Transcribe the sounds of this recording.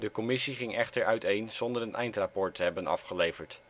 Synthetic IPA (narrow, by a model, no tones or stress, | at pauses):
dəkomɪsiχɪŋɛχtəɹœɥtejnz̥ɔndəɹənʔɛjntrapɔɹtʰːəɦɛbənɑ̰fχəlejvəɹt